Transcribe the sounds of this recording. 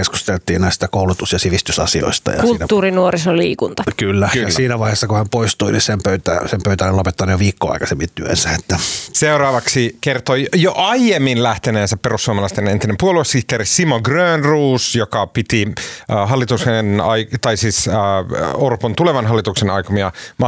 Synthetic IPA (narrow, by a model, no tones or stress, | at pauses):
kesku̥st̪elt̪ˑḭːnnæˑist̪ɑkoˑulut̪usjɑsiʋist̪ysɑ̰sio̰ist̪ɑ̰jɑ̰ksulːnæt̪ːuːrinuorisolḭːkunt̪ɑkylːækjyɑsiːnæʋɑˑihesːɑkuhæmpoist̪uinisempøyt̪æ̰sempøyt̪ænellopet̪ːɑnːujoʋiːkːo̰ɑ̰ˑikɑsemːint̪yø̰nsæet̪ːæseurɑːʋɑksikert̪ojoʔɑjemːinlæht̪eneːnsæpperusːuomɑlɑst̪enent̪inempuoluesiht̪eːɾisimoɡrøːnruːsjokɑpit̪iɦɑlːit̪usenɑjkt̪ɑisiːsː | orpont̪uleʋɑnɦɑlːit̪uksenɑjkomiɑmɑ